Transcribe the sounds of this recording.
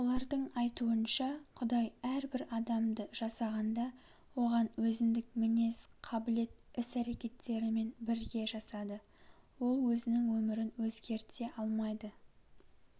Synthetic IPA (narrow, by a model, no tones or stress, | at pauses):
wolˠɑɾd̪əɴɑjt̪uənʃɑqʰʊd̪ɑjæɾbɪɾɑd̪ɑmd̪əʒ̥ɑsɑʁɑnd̪ɑ | wo̞ʁɑnwɵzɪnd̪ɪkmɪne̞sqʰɑbɪle̞t̪ɪsæɾe̞kʲe̞t̪ːe̞ɾɪme̞nbɪɾɡʲe̞ʒɑsɑd̪ə | wo̞lˠwɵzɪnɪŋwɵmɪɾɪnwɵzɡʲe̞ɾt̪e̞ʔɑlˠmɑjd̪ə